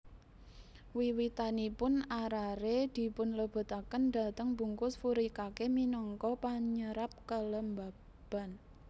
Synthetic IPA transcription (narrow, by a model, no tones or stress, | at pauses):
wiwit̪anipʊnaɾaɾed̪̥i̤pʊnləb̥ə̤t̪akənd̪a̤t̪əŋbṳŋkʊsfuɾikakeminɔŋkɔpaɲəɾap̚kələmba | b̥a̤n